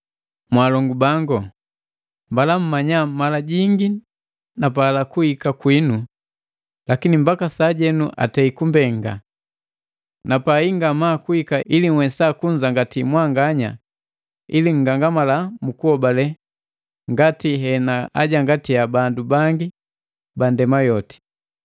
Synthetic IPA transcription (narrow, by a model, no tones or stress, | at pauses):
mwalɔŋɡubaŋɡɔ | mbalam̩maɲamalaɟiŋɡi | nap̬alakuhikakwinu | lakinimbakasaːɟɛnuʔa̰tɛikumbɛŋɡa̰ | napaiŋɡamaːkuikailiŋwɛsakuɲd͡ʒaŋɡatimwaŋɡaɲa̰ | iliŋ̩ɡaŋɡamalamukuɔbalɛ | ŋɡatiɦɛnaa̰ɟaŋɡatijabandubaŋɡi | bandɛmajɔti̥